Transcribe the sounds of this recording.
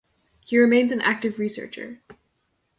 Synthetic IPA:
hiɹɨmẽɪ̃nzɨ̃nʔæ̰k̚tɨvɹisɜ̰˞t͡ʃə̰˞

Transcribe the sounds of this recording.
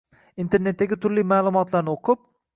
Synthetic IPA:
int̪ʰe̞ɾnet̪ːaɡʲɪt̪ʰʊɾlimaːlˠʊmɒt̪laɾnɪoqʰʊp̚

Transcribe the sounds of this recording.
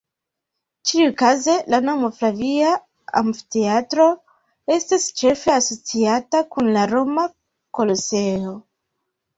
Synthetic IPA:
t͡ʃiukaze̞lano̞mo̞flavia | a̰mfite̞atɾo̞ | e̞stist͡ʃe̞fe̞aso̞t͡siatakunlaɾo̞ma | ko̞lo̞se̞o̞

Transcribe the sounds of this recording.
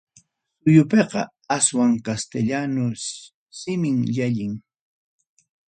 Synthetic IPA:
sʊjʊpeqɑ̰ | aswaŋkast̪eʎanʊ | sɪmɪŋʎaʎɪŋ

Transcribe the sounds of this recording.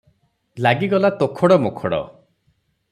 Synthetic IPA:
laɡiɡɔlat̪okʰɔɽɔmokʰɔɽɔ̰

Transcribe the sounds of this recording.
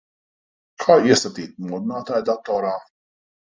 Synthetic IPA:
kʰaːɛsɐt̪iːt̪̚mɔd̪naːt̪ɐɛd̪at̪ːɔɾaː

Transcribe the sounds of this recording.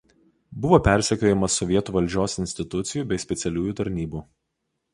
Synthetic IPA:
bʊʋoːpʲæˑɾʲsʲɛkʲoːjɛmɐsɔʋʲiɛt̪uːʋɐlʲˑd͡ʒʲoːsɪnʲsʲt̪ʲɪt̪ʊt̪sʲɪjuːbʲɛɪsʲpʲɛt̪sʲɛlʲuːjuːt̪ɐɾʲnʲiːbuː

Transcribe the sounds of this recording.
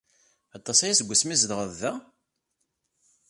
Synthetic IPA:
ɑt̪ˤːɑsæjæsɡʷːəsmizd̪ʁəðːæ

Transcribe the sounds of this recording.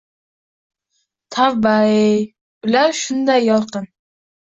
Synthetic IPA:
t̪ʰavbaej | ʊlaɾʃʊnd̪ajːɒlˠqɨn

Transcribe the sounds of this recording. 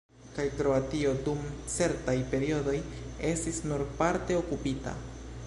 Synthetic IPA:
kajkɾo̞atio̞dumt͡se̞ɾtajpe̞ɾio̞do̞je̞stisnuɾpaɾte̞o̞kupita̰

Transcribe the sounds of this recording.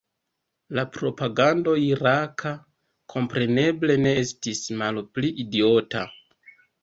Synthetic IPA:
lapɾo̞paɡando̞iɾakʰa | kʰo̞mpɾe̞ne̞ble̞ne̞estismalpliʔidio̞ta̰

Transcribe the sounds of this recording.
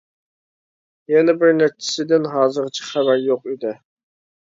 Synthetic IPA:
jɛnɛbɪɾnæɾ̚t͡ʃʰːɪ̥sɪd̪ɪnɦɑːzɨɾt͡ʃʰɪ̥χæbæɾjoqid̪ɪ

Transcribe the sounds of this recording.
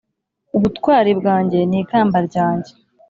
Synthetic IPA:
uβutkwaːɾibɡaːɲɟe̞niːkaːmbaɾɟaːɲɟe̞

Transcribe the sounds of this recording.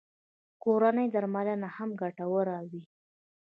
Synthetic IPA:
koɾanəjd̪aɾmalanahamɡaʈawəɾawi

